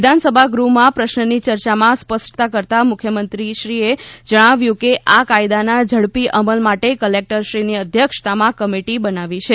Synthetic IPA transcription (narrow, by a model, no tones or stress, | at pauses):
d̪ʱansəbʱaɡɾumãpɾəʃnənit͡ʃəɾt͡ʃamãspəsʈt̪akəɾt̪amʊkʰjəmənt̪ɾiʃɾied͡ʒəɽ̃aʋjũkeʔakajd̪anad͡ʒʱəɽpiʔəməlmaʈekəlek̚ʈəɾʃɾiniəd̪ʱjəkʂt̪amãkəmiʈibənaʋit͡ʃʰe